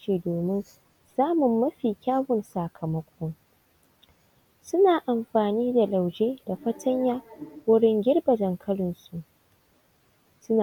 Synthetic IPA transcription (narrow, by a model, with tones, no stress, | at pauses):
iː˨doː˨mɪ˦n | saː˦mʊ˨mːɐ˦ɸiː˨kʲaː˦wʊ˨nsaː˨kʰɐ˨mɐ˦kʷʰɔ˦ŋ | sʊ˦naː˨ʔa˨mɸaː˨niː˦da˨la˨wd͡ʒeː˦d̥a˨ɸɐ˦tʰɐ˦ɲjaː˦wʊ˦ɽɪ˦ŋɡʲɪ˦rbɐ˨dɐ˨ŋkʰɐ˦ɽɪ˨nsu˨ʔ | sʊ˦na˨